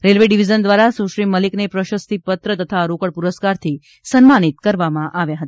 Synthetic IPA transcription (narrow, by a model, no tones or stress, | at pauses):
ɾelʋeɖiʋid͡ʒənd̪ʋaɾasuʃɾiməliknepɾəʃəst̪ʰipət̪ɾət̪ət̪ʰaɾokəɽpuɾəskaɾt̪ʰi | sənmanit̪kəɾʋamãʔaʋjaɦət̪aa